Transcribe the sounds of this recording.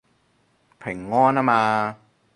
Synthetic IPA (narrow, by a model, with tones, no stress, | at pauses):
pʰe˨˩˦ŋːɔː˥˩˨na˦˥˩maː˧